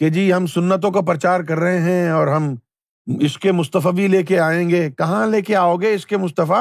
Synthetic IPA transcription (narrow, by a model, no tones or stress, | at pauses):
ked͡ʒiːɦɐmsʊnːət̪̬õkap̬ɾɐt͡ʃaːɾkɐɾːɐɦeɦɛ̃ɔːɾɦɐm | ɪskemʊst̪əfabʱileːkeaːẽːŋɡeːkɐɦãleːkeaːoːɡeɪskemʊst̪əfa